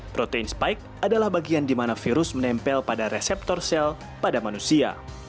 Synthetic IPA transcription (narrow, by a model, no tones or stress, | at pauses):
pɾot̪einspajk̚adalahbaɡiandimanafiɾʊsmənɛmpɛlpadaɾɛsɛp̚t̪ɔrsɛl | padamanusia̰